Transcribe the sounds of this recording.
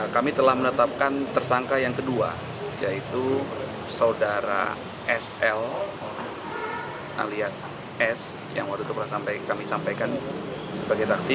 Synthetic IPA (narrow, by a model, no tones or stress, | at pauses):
kamit̪əlahmənət̪ap̚kant̪ərsaŋkajaŋkədua̰ | jait̪u | saudaɾa̰ | ʔɛsɛl | ʔa̰lias | ɛs | ja̰ŋwad̪ut̪upərnasampajkamisampajkan | səbaɡajsaksi